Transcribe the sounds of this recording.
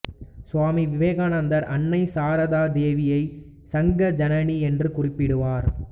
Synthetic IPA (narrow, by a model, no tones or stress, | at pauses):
sʊʋaːmiʋɪʋeːɣaːnɐnd̪ɐɾʔɐnːɐɪsaːɾɐðaːd̪eːʋɪjɐɪ | sɐŋɡɐd͡ʒɐnɐniɛndrɯkʊrɪpːɪɽɯʋaːɾ